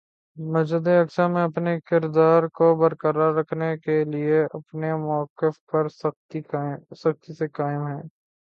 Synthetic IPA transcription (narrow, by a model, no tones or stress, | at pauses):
mɐd͡ʒəd̪eɐksamẽɐpnekɪɾd̪aːɾkobɐɾkəɾaɾːɐkʰnekelieɐpnemɔːkɪfpɐɾst̪isɐxt̪isekaːɪmɦɛ̃ː